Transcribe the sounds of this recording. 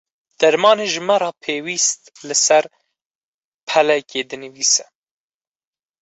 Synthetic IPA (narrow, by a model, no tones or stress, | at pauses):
d̪̥ɛɾmɑːneːʒɨmɛɾɑːpʰeːwiːst̪lɨsɛɾ | pʰɛlɛkeːd̪ɨnɨviːsɛ